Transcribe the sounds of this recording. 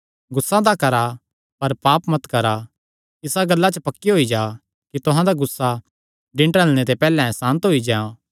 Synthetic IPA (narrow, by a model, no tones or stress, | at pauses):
ɡʊsːãd̪akɐɾa | pɐɾpaːpmɐt̪kɐɾa | ɪsaɡɐlːat͡ʃəpɐkːiɦoid͡ʒaː | kit̪ʊɦãd̪aɡʊsːa | ɖɪ̃ɳʈəlñet̪epɛːlɛ̃sãːnt̪ɦoid͡ʒɛã